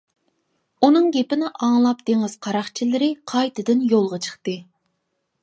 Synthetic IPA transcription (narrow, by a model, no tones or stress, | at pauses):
unɨŋɡʲepɪnɪʔɑŋlˠɑp̚d̪̥eŋɪz̥qʰɑɾɑχt͡ʃʰilɪɾɪqʰɑjt̪ɨd̪ɪnjolˠʁɑt͡ʃʰə̥χt̪ɨ